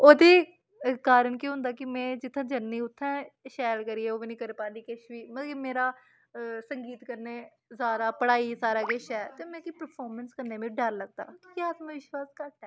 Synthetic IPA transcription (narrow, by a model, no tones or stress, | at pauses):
oːd̪iː | kaːɾəɳkiɦʊ̃nd̪aːkɪmɛ̃ːd͡ʒɪt̪ʰːãːd͡ʒənːiːʊt̪ʰːãːʃɛːlkəɾiːɛːoːʋiːnĩːkəɾpaːniːkɪʃʋiːmət̪lkimeːɾaː | səŋɡiːt̪kəɾneː | saːɾaːpəɽaːiːsaːɾaːɡeʃɛːt̪eːmɛ̃ːkipəɾpʰaːɾmənskəɾneːmẽːɖəɾləɡ̚d̪a̰ːkjaːt̪mãːʋɪʃwaːskəɾd̪ɛː